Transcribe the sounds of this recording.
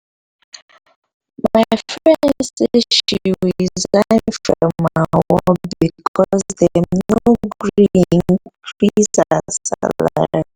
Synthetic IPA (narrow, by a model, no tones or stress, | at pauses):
maɪfɹɛ̃nsiʃuizlãnfɹɔmaawɔbikʰɔzðɛnoɡɡɹɹinɹizasa̰lla̰